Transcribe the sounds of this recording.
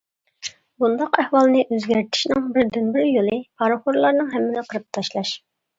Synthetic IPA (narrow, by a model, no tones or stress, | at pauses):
bund̪ɑqæhwɑlˠnɨʔøzɡʲæɾt̪ʰɪ̥ʃnɪŋbɪɾd̪ynbɪɾjolˠɨpʰɑɾχoɾlˠɑɾnɨŋɦɛmːɪnɪqʰəɾɨp̚t̪ʰɑʃlˠɑʃ